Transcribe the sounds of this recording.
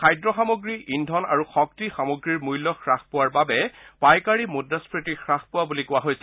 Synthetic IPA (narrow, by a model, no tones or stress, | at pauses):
xʰajdɹɔxamoɡɹiindʱɔna̰ɹuxɔk̚tixamoɡɹiɹmujlːɔxɹaxpʊwaɹbabɛpajkaɹimudːaspʰɹitixɹaxpʊwabulikʊwaɦojsɛ̥